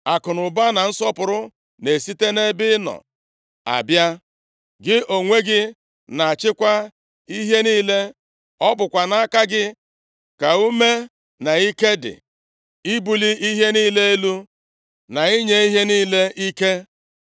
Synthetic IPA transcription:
a˨kʊ˨nʊ˨ba˦na˨n̩˦sɔ˦pʊ˨ɾʊ˦ | ne˨si˦te˦ne˦bɪ˦nɔ̰˨ | a̰˨bja˦ | ɡɪ˦ʔo˨ŋʷe˦ɡɪ˦ | na˨a˨t͡ʃɪ˦kʷa˦ | i˦ɦe˦niː˦le˦ | ɔ˦bʊ˨kʷa˨na˦ka˦ɡɪ˦ | ka˨u˦me˦ | na˨i˦ke˦dɪ̰˨ | i˦bu˨li˦ʔi˦ɦe˦niː˦le˦e˦lu˦ | na˨i˦ɲe˦i˦ɦe˦niː˦le˦ʔi˦ke˦

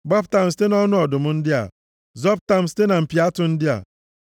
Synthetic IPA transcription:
ɡ͡ba˦pta˨m̩˨s̬te˦nɔ˦nʊ˦ɔ˨dʊ˨mʊ˦n̩˦dɪ˦a̰˨ | zɔ˦p̚ta˨m̩˨ste˦na˨m̩˨pi˨a˦tʊ˨n̩˦dɪ˦a̰˨

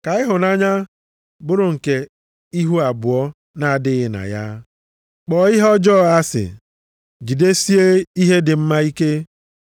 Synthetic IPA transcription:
ka˨ɪ˦ɦʊ˨na˦ɲa˦ | bʊ˦ɾʊ˨ŋ̩˨ke˨ | i˦ɦu˦a˨bʊ˨ɔ˦ | na˨a˨dɪ˦ɣɪ˨na̰˨ja̰˦ | k͡pɔ˨ɪ˦ɦɔ˦d͡ʒɔː˦˨a˦sɪ̰˨ | ɡi˨de˦si˦e˦i˦ɦe˦dɪ˨m̩˦ma˦i˦ke˦

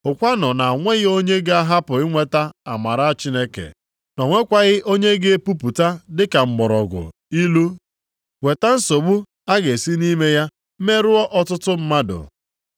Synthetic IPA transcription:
ʊ˨kʷa˦nɔ˨na˨ŋʷe˦ɣɪ˦o˦ɲe˦ɡa˦ɦa˦pʊ˨ɪ˦ŋʷe˦ta˦a˨ma˨ɾa˦a˦t͡ʃi˦ne˦kḛ˨ | nɔ˨ŋʷe˦kʷa˦ɣɪ˦ʔo˦ɲe˦ɡe˦e˦pu˦pu˨ta˦dɪ˦ka˨m̩˨ɡ͡bɔ˨ɾɔ̰˨ɡʊ̰˨ | i˦lu˦ | we˨ta˦n̩˦so˨bu˦ | a˦ɡe˨si˦ni˦me˦ja˦ | me˦ɾʊ˦ɔ˦ʔɔ˦tʊ˦tʊ˦m̩˦ma˦dʊ̰˨

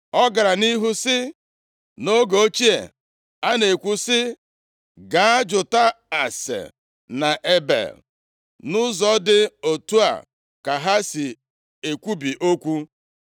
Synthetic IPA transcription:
ɔ˦ɡa˨ɾa˨ni˦ɦu˦sɪ˦ | no˦ɡo˨o˦t͡ʃi˦ḛ˨ | a˦ne˨kʷu˦sɪ˦ | ɡa˨a˦d͡ʒʊ˨ta˦a˨sḛ˨ | na˨ʔe˦bḛ˨l | nʊ˦zɔ˦dɪ˦o˨tu˦a̰˨ | ka˨ɦa˦si˨ | e˨kʷu˦bi˨ʔo˦kʷu˦

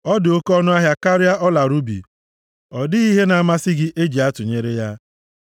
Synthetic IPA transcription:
ɔ˦dɪ˨o˦kɔ˦nʊ˦a˦ɦja˦ka˦ɾɪ˦a˦ʔɔ˦la˨ɾu˦bḭ˨ | ɔ˨dɪ˦i˦ɦe˦na˨a˨ma˦sɪ˦ɡɪ˦ʔe˦d͡ʒi˨a˦tʊ˨ɲe˦ɾe˦ja˦

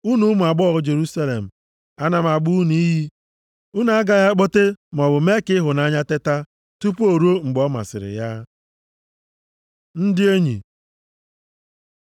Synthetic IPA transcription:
u˦nu˦m˨a˨ɡ͡bɔ˦˨ɾʊ˦d͡ʒe˨ɾu˦sa˦lḛ˨m̩˨ | a˦na˨m˨a˨ɡ͡bu˦ni˦ɦi˦ | u˦na˨a˦ɡa˨ja˦k͡po˦te˦m˨ɔ˨bʊ˨me˦kɪ˦ɦʊ˨na˦ɲa˦te˦ta˦ | tu˦po˨ɾo˦ŋ͡m̩˨ɡ͡bɔ˦ma̰˨sɪ̰˨ɾɪ̰˨ja˦ | n̩˦dɪ˦e˦ɲḭ˨

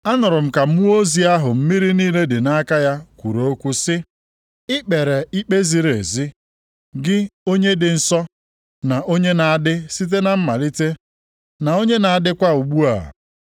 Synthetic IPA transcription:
a˦nʊ˨ɾʊ˨m̩˦ka˨m̩˦o˦zi˨a˦ɦʊ˨m̩˦mi˦ɾi˦niː˦le˦dɪ˨na˦ka˦ja˦kʷu˨ɾo˨o˦kʷu˦sɪ˦ | ɪ˦k͡pe˨ɾe˨i˦k͡pe˦zi˨ɾḛ˨zi˦ | ɡɪ˦o˦ɲe˦dɪ˨n̩˦˨sɔ˦ | na˨ʔo˦ɲe˦na˨a˨dɪ˦si˦t̬e˦na˨m̩˦ma˨li˦te˦ | na˨o˦ɲe˦na˨a˨dɪ˦kʷa˦u˨ɡ͡bu˦a̰˨

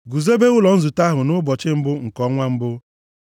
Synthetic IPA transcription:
ɡu˨ze˦be˦ɣʊ˦lɔ˨n̩˦zu˨ta˦ɦʊ˨nʊ˦bɔ˨t͡ʃɪ˦m̩˦bʊ˦ŋ̩˨kɔ˨˦ŋʷa˦m̩˦bʊ˦

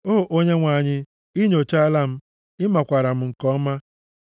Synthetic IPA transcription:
o˦ɦo˨ʔo˦ɲe˦ŋʷa˨ɲɪ˦ | i˦ɲo˨t͡ʃa˦la˦m̩˦ | ɪ˦ma˨kʷa˨ɾa˨m̩˦ŋ̩˨kɔ˦ma˦

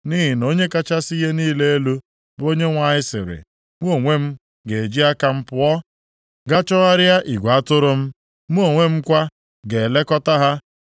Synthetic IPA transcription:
ni˦ɦi˨no˦ɲe˦ka˦t͡ʃa˦si˦ɦe˦niː˦le˦e˦lu˦ | bo˦ɲe˦ŋʷa˨ɲɪ˦sɪ̰˨ɾɪ̰˨ | m˦o˦˨ŋʷe˦m̩˦ | ɡe˨e˨d͡ʒi˦a˦ka˦m̩˦pʊ˦ɔ˦ | ɡa˦t͡ʃɔ˦ɣa˦ɾja˦ʔi˨ɡʷa˦tʊ˦ɾʊ˦m̩˦ | m˦o˨ŋʷe˦m̩˦kʷa˦ | ɡe˨le˦kɔ˦ta˦ɦa˦

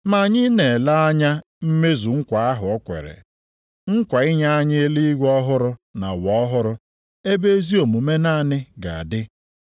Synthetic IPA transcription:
ma˨ɲɪ˦ne˨la˦a˦ɲa˦ | m̩˦me˦zu˨ŋ̩˦kʷa˨a˦ɦʊ˨ɔ˦kʷḛ˨ɾḛ˨ | ŋ̩˦kʷa˨ɪ˦ɲa˦a˦ɲe˦e˦li˦i˦ɡʷɔ˦ɦʊ˦ɾʊ˦na̰˨wɔ˦ɔ˦ɦʊ˦ɾʊ˦ | e˦be˦e˦zi˦o˨mu˨me˦na˦˨nɪ˦ɡa̰˨a̰˨dɪ˦

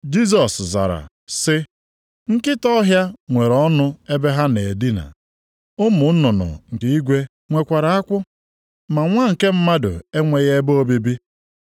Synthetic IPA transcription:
d͡ʒi˦s̬ɔ˨sza̰˨ɾa̰˨ | sɪ˦ | ŋ̩˦kɪ˦tɔ˦ɦja˦ŋʷe˨ɾɔ˦nʊ˦e˦be˦ɦa˦ne˨di˦na̰˨ | ʊ˦mʊ˨˦nʊ˨nʊ̰˨ŋ̩˨kɪ˨i˦ɡʷe˦ | ŋʷe˨kʷa˨ɾa˨a˦kʷʊ˦ | ma˨ŋʷa˦ŋ̩˨ke˦m̩˦ma˦dʊ̰˨e˦ŋʷe˨ɣe˦bo˦o˦bi˦bi˦

